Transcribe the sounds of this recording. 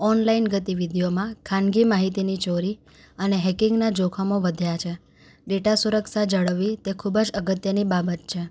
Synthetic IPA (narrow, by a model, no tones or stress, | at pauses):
ɔnlainɡət̪iʋid̪ʱijomãkʰãnɡimaɦit̪init͡ʃoɾi | əneɦɛkɪŋɡnad͡ʒokʰamoʋəd̪ʱjat͡ʃʰe | ɖeʈasuɾəksad͡ʒəɭəʋːit̪ekʰubd͡ʒəɡət̪jənibabət̪̚t͡ʃʰe